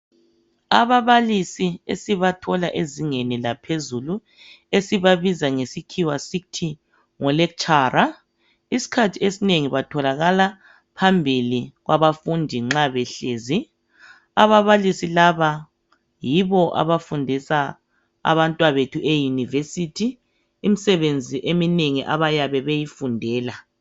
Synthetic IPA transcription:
aβaβalisiḛsiβatʰɔlaʔeziŋenilapʰezulu | esiβaβizaŋesikʰiwasiktʰi | ŋɔlɛkt͡ʃʰʼaːɾa | isi̥kʰatʰiesineŋiβatʰɔlaɣala | pʰambʱiliɣwaβafundʱiŋ͡ǁaβɛɬeːzi | aβaβalisilaβa | jiβɔʔa̰βafundʱisa | a̰βantʼwaβetʰuʔejunivesitʰiː | misɛβend͡zʱiʔemineŋiʔa̰βajaβɛβejifundʱɛːla

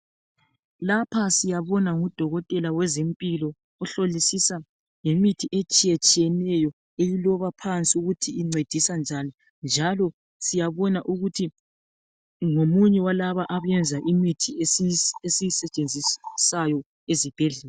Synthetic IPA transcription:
lapʰasijaβɔnaŋud̥ʱɔɣɔtʼɛlawɛzempʼilɔ | ɔɬolisisa | jemitʰiʔet͡ʃʼijɛt͡ʃʼijɛnɛjɔ | ejilɔβapʰant͡sʼiuɣutʰiːŋ͡ǀed̥ʱisand͡ʒʱani | nd͡ʒʱalɔ | sijaβɔnaʔuɣutʰi | ŋomuɲɛwalaβaʔaβjɛnd͡zʱaʔimitʰi | esisɛt͡ʃʼend͡zʱisajɔ | ezib̥ʱɛɮɛːl

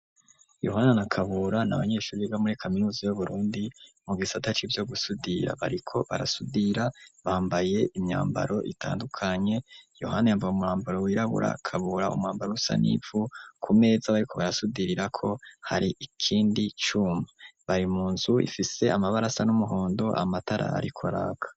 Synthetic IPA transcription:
jo̰ɦananakʰaβuɾana̰βaɲe̞ːʃuːɾiβeɡamuɾikʰaminuːzijuβuɾuːndimuɡisatat͡ʃivjo̞ɡusudiɾa̰βa̰ɾikʰo̞βa̰ɾa̰sudiɾaβaːmbaje̞ʔimɲa̰ːmba̰ɾo̞ʔitʰa̰ːndukʰaɲe̞jo̞̰hanajaːmvajumuɾaːmbaɾo̞wiɾaβṵɾʔa̰kʰaβuɾaṵmŋaːmbaɾousa̰nḭvukʰume̞ːzaβaɾikʰo̞βaɾasudiɾiɾakʰo̞haɾiʔikʰiːndit͡ʃumaβaɾimuːnzuḭfise̞amaβaɾasanumuɦo̞ːndo̞ʔa̰mataɾʔa̰a̰ɾikʰoɾa̰ɡḁ

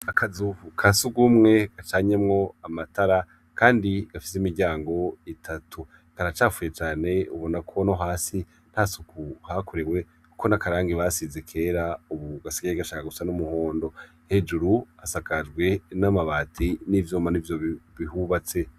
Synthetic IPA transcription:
akʰazuukʰasuɡumŋe̞ɡ̥at͡ʃaːɲe̞mŋo̞amataɾa | kaːndiɡ̥afi̥s̬imiɾɟaːŋɡo̞itʰatʰu | kaɾat͡ʃaːfuje̞t͡ʃaːne̞uβo̞nakʰo̞no̞ɦaːsi | n̥hasukuhakʰoɾewe̞ | kuko̞nakaɾaːŋɡiβasizekʰe̞ːɾauβuɡasiɡaɾeɡaʃaːkaɡusanumuhoːndo̞ | he̞d͡ʒuɾuasakad͡ʒɡwe̞namaβaːtʰinivjoːmanivjoβihuβat͡se̞

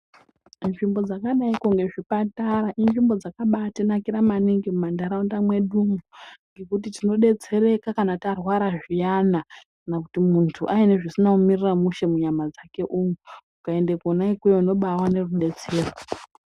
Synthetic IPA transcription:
nʐimbo̞d͡zakaɗaikuŋɡe̞ʐipataɾaʔinʐimbo̞d͡zakaɓatenakiɾamaniŋɡimumandaɾaundamwe̞ɗumuŋɡe̞kut̬itino̞ɗe̞t͡se̞ɾe̞kakanatarwaɾaʐijanakanakutimuntʰuʔaine̞ʐisinaumiriramuʃe̞muɲamad͡zake̞ʔuŋumukae̞ndekonaikwejouno̞ɓawane̞ruɗe̞t͡se̞ːro

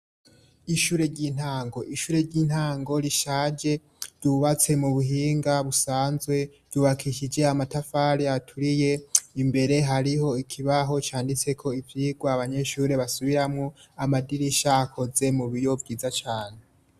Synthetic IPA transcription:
iʃuːɾe̞ɾɟiːn̥haːŋɡo̞ʔiʃuːɾe̞ɾɟiːn̥haːŋɡo̞ɾiʃaːd͡ʒe̞ | v̥duβat͡se̞muβuɦiːŋɡaβusaːnzwe̞v̥d̥uːβakʰiʃid͡ʒe̞amatafaɾiatʰuɾije̞imbe̞ɾe̞ɦaɾiɦo̞ikʰiβaɦo̞t͡ʃaːndit͡se̞kʰo̞ivjiːɡwaːβaɲe̞ʃuːɾe̞βasuβiɾamŋoamadiɾiʃaːkʰo̞ze̞muβijo̞vɡiːzat͡ʃaːne̞

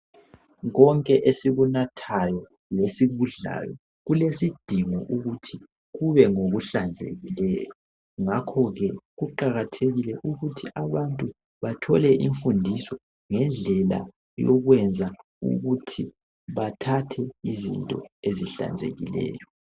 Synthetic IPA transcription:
ɣɔŋkʼɛʔesiɣunatʰajɔ | lesiβuɮa̰jɔ | ɣulesid̥ʱiŋɔ̰ʔuɣutʰi | ɣuβɛŋoɣuɬand͡zʱḛɣilɛːjɔ | ŋakʰɔɣɛɣuǃaɣatʰeɣilɛʔuɣutʰiʔaβantʼu | βatʰɔlɛʔḭɱfundʱisɔ | ŋɛnd͡ɮʱɛla̰ | jɔɣwɛnd͡zʱa | ṵɣutʰi | βatʰatʰɛizḭntʼɔ̰eziɬa̰nd͡zʱḛɣḭlɛ̰ːjɔ

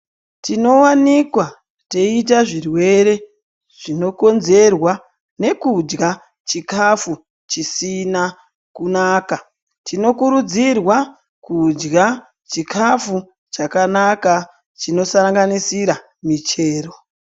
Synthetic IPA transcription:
tino̞wanikwa | te̞it̬aʐirwe̞ɾe̞ | ʐ̥ino̞ko̞nze̞rwa | ne̞kud͡ʒɡa | t͡ʃikafu | t͡ʃisina | kunaːka | tino̞kuɾud͡zirwa | kud͡ʒɡa | t͡ʃikʰafu | t͡ʃakanaka | t͡ʃino̞saɾaŋɡanisiɾa | mit͡ʃe̞ːro

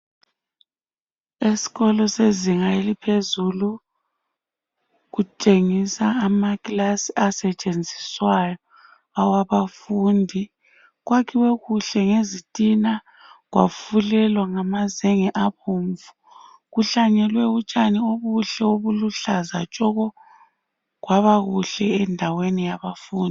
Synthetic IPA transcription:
esi̥ɣɔlɔseziŋaelipʰezulu | ɣut͡ʃʼeŋisaːmakʼlasiasɛt͡ʃʼend͡zʱiswajɔ | awaβafundʱi | ɣwakʰiweɣuɬɛŋezitʼina | ɣwa̰fulɛlwaŋamazɛŋɛʔapoɱvu | ɣuɬaɲɛlwɛut͡ʃʼanioβuɬɛoβuluɬazat͡ʃʼɔɣɔ | ɣwaβaɣuɬɛɛndʱawenijaβafuːndʱi

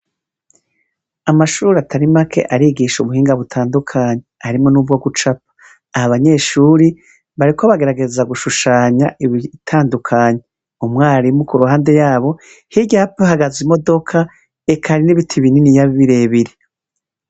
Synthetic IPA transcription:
amaʃuːɾatʰaɾimakʰe̞̰ʔaɾiɡiʃuβuhiːŋɡaβutʰaːndukʰaɲehaɾimŋo̞nuvɡo̞ɡut͡ʃap̚ḁː | haβaɲe̞ːʃuːɾi | βaɾiko̞βaɡe̞ɾaɡe̞zaɡuʃuʃaːɲaʔiβitʰaːndukʰaːɲe | umŋaːɾimukuɾuhaːnde̞jaːβo̞ | hiɟaːpeɦaɡazimo̞do̞kʰa | ekʰaɾiniβitʰiβininijaβiβiɾe̞ːβiɾe

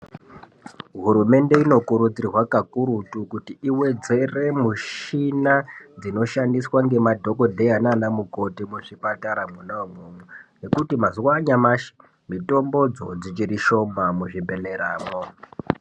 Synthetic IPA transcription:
ɦuɾume̞nde̞ino̞kuɾud͡zirwakakuɾutukutiʔiwe̞d͡ze̞re̞muʃinad͡zino̞ʃandiswaŋɡe̞madʱo̞ko̞dʱe̞ananamuko̞timuʐipataɾamunaomumune̞kutimazuwaɲamaʃi̥ | mito̞mbo̞d͡zo̞̰d͡zit͡ʃiɾiʃo̞mamuʐibʱe̞ne̞ɾaːmo

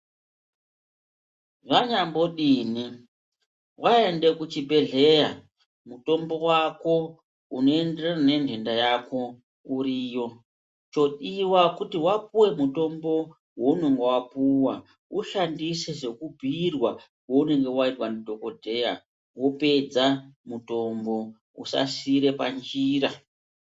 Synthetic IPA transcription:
ʐaɲambo̞ɗiːni | wʔae̞nde̞kut͡ʃibʱe̞ɮe̞ja | muto̞mbo̞wako̞ | uno̞e̞ndererane̞nʱe̞ndajako̞ | uɾiːjo̞ | t͡ʃo̞ɗiwakutiwap̚uwe̞muto̞mbo̞ | wouno̞ŋɡowapuwa | uʃandise̞ʐe̞kubʱirwa | koune̞ŋɡe̞waitwanidʱo̞ko̞dʱe̞ja | wo̞pe̞d͡zamuto̞mbo̞ | ṵsa̰siɾe̞pand͡ʒiːɾa

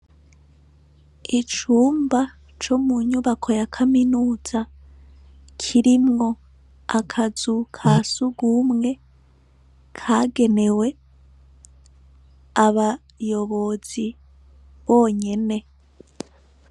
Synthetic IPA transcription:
it͡ʃuːmba | t͡ʃo̞muɲuβakʰo̞jakʰaminuːz̥a | kʰiɾimŋo̞ | akʰazukʰasuɡuːmŋe̞ | kʰaːɡe̞ne̞we̞ | aβa | jo̞βo̞z̥i | βo̞ːɲe̞ne̞

